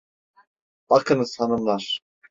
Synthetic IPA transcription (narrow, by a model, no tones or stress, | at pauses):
b̥ɑkʰɯnsɑnɯmlˠɑɾ